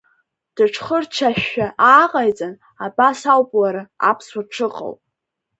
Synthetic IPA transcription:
d̥ɨʈ͡ʂʰχərt͡ʃʰaʃᶣaʔaːqʼajt͡sʼan | abasawpʼlaɾɨa̰pʰswaʈ͡ʂʰɨqʼa̰wpʼ

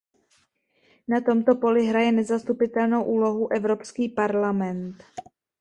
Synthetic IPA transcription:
nat̪o̞mt̪o̞po̞lɪɦɾajɛnɛzast̪upɪt̪ɛlno̞wʔuːlo̞ɦuʔɛvɾo̞pskiːpaɾlamɛnt̪

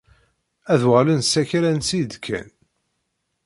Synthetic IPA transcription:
æðwʁlənsæçɾænsid̪kʰæ̰n

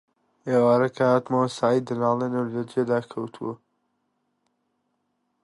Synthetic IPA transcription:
eːwaːɾɐkʰahat̪mawsaːid̪ɐnaːlenɐwlɐd͡ʒed̪aːkʰɐwt̪ʰṵwɐ

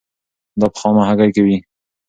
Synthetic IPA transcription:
d̪ɑpə̥xɑmahaɡajkawi

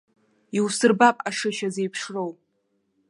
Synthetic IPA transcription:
iwsɨrbapʼaʂɨʃaze̞jpʰʂrowʼ

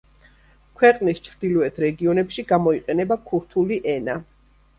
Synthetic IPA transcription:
kʰwɛqʼnist͡ʃʰɾd̪ilɔɛt̪ʰɾɛɡiɔnɛpʃiɡamɔiqʼɛnɛbakʰuɾt̪ʰuliʔɛna

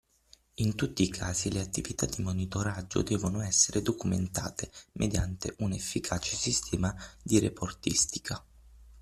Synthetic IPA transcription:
int̪ut̪ːiːkʰaːzileat̪ːivit̪ad̪ːimonit̪oɾad͡ʒːo̰d̪ɛːvonoɛsːeɾed̪okumḛnt̪a̰ːt̪emʔed̪jant̪ḛʔunefːikʰaːt͡ʃe̥sist̪ʰɛːmad̪iɾḛpʰort̪ḭst̪i̥kʰa

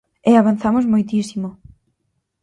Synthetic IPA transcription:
ɪaβanθamozmojt̪isimo

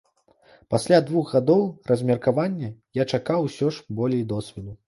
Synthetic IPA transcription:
pasʲlʲad̪vuɣɣad̪ɔwrɐzʲmʲɛrkavanʲːɐjat͡ʂakawsʲɔʂbɔlʲɛjd̪ɔsʲvʲɛd̪u

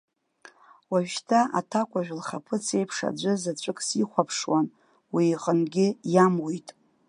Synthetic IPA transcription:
waʒʃtʰaʔa̰tʰakʷʰʼaʒᶣlχapʰɨt͡sʰe̞jpʰʂa̰d͡ʒʷɨzat͡ɕʷʼɨkʼsiχʷapʰʂwan | wiːqʼənɡʲɪjamwijtʼ

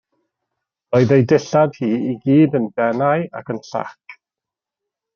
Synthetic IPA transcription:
roːɨðejdɪɬad̥hiːiɡiːdəndɛnaɨa̰kʰənɬa̰kʰ

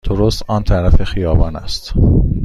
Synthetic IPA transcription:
d̪̥oɾost̪ɒːnt̪ʰæɾæfexijɒːbɒːnæ̰st̪

